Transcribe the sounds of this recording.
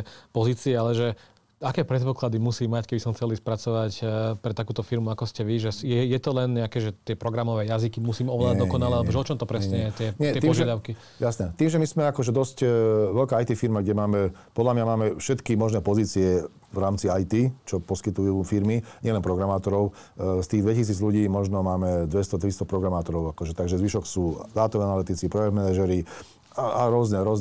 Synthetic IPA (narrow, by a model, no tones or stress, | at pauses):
pɔziːt͡siɛalɛʒɛ | akɛːpɾɛt̪pɔklad̪imusiːmːackɛbisɔmxt͡sɛliːspɾat͡sɔʋacpɾɛt̪akuːt̪ɔfiɾmuakɔscɛʋiʒɛsjɛjɛt̪ɔlɛnɲɛakɛːʒɛt̪ɪɛpɾɔɡɾamɔʋɛːjazikimusiːmɔʋlaːd̪ad̪ɔkɔnalɛalɛbɔʒɛɔt͡ʃɔmt̪ɔpɾɛsɲɛjɛt̪ɪɛɲɛɛɔʒɪɛad̪aʊki | jasnɛt̪iːmʒɛmismɛakɔʒɛd̪ɔscʋɛʎkaːajt̪iːfiɾmaɡɟɛmaːmɛpɔd̪lamɲamaːmɛfʃɛt̪kimɔʒnɛːpɔziːt͡siɛ | ʋɾaːmt͡siajt̪iːt͡ʃɔpɔskit̪ujuːfiɾmiɲɪɛlɛnpɾɔɡɾamaːt̪ɔɾɔʊst̪iːɣd̪ʋɛcis̬iːd͡zʎuɟiːmɔʒnɔmaːmɛd̪ʋɛst̪ɔt̪ɾist̪ɔpɾɔɡɾamaːt̪ɔɾɔʊakɔʒɛt̪aɡʒɛzʋiʃɔksuːd̪aːt̪umanalit̪it͡sipɾɔjɛd̪mɛnaʒɛɾi | aaɾʊɔznɛɾʊɔz